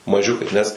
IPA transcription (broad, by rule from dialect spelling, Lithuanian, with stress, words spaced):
mɐˈʒʲʊkɐɪ nʲɛs